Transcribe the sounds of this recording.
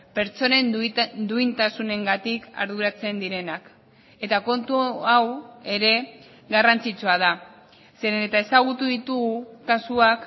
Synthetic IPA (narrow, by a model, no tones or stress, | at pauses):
pe̞ɾt͡so̞ne̞nd̪uint̪asune̞ŋɡat̪ika̰ɾð̞uɾat͡se̞nd̪iɾe̞nak | e̞t̪ako̞nt̪uawe̞ɾe̞ | ɣarant͡sit͡suað̞a | se̞ɾenet̪ae̞saɣ̞ut̪uðit̪uɣukasuak